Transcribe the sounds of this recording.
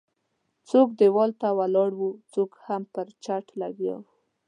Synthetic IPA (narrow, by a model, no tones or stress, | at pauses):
t͡sokd̪ewɑlt̪awalɑɽwut͡sokhampəɾt͡ʃaʈlaɡjɑ̰